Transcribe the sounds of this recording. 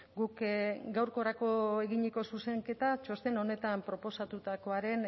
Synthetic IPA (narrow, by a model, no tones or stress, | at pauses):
ɡukɡawɾko̞ɾako̞e̞ɣiɲeko̞suse̞ŋke̞t̪at͡ʃo̞st̪e̞no̞ne̞t̪ampɾo̞po̞sat̪ut̪ako̞aɾe̞n